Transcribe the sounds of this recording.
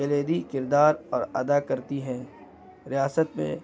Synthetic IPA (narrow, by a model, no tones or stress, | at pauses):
ɐleːd̪ikɪɾd̪aːɾɔːɾɐd̪akɐɾt̪iɦɛ̃ː | ɾijaːsət̪mḛ̃